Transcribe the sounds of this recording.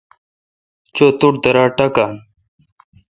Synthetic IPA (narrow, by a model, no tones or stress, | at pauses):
t͡ɕot̪uʈ̚d̪ɐɾaːʈakan